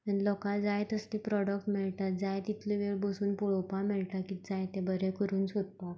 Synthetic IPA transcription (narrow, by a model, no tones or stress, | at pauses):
ənlɔkad͡zajt̪əst̪ipɾɔɽək̚ʈmeɭt̪at̪̚d͡zajt̪it̪ʰliʋeɭbəsuːnpuɭopamɛɭʈ̪akid͡zajt̪ẽbəɾekəɾuːnsod̪̚t̪a